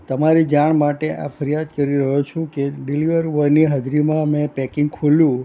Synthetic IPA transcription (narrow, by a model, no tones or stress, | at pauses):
t̪əmaɾid͡ʒaɳmaʈeʔa̰fʰəɾijad̪kəɾiɾəɦot͡ʃʰũkeɖiliʋəɾʋəɾniɦəd͡ʒ̪ʱɾimãmẽpɛkɪŋɡkʰuljũ